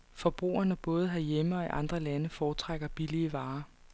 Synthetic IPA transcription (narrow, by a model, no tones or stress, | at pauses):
fɒ̽b̥ʁṵːɐnəb̥ɔ̽ːð̞̩ˠɦɑjeməɒ̽iʔɑ̈nd̥ʁɐlænəfɒːt͡sʰʁaɡ̥ɐb̥iliəʋɑ̈ː